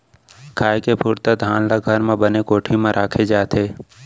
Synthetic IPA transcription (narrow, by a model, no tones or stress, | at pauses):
kʰaːjkepʰuːɾt̪ad̪ʱaːnlaɡʱəɾmẽbənekoːʈʰimẽɾʔaːkʰed͡ʒaːt̪ʰeː